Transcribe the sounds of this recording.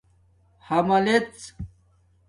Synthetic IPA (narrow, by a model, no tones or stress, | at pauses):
hɐmɐlet͡s